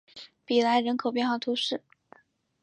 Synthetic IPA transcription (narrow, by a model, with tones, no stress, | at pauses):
pi˨˩la˧˥ɪɻə˧˥nkʰo˨˩ʊp̬jɛ˥˧nxwɑ˥˩t̪ʰu˧˥ʂɻ̩˥˩